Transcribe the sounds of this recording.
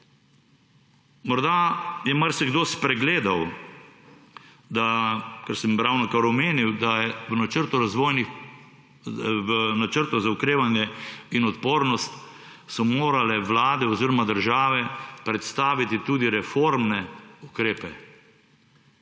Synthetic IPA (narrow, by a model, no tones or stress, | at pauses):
mɔɾd̪ajɛmaɾsɛɡd̪oːspɾɛɡleːd̪aw | d̪akɛɾsəmɾawnɔkaɾɔmeːniwd̪ajɛʋənat͡ʃəɾt̪ɔɾazʋoːjnix | nat͡ʃəɾt̪ɔzaukɾeːʋanjɛinɔt̪poːɾnɔst̪ | sɔmoːɾalɛʋlaːd̪ɛɔziːɾɔmad̪əɾʒaːʋɛpɾɛt̪st̪aːʋit̪it̪uːd̪iɾɛfoɾmnɛukɾeːpɛ